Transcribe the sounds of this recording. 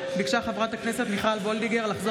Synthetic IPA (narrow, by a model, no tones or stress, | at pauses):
biɡʃaχavʁat̪akne̞set̪miχalbo̞ld̪iɡeʁlaχzo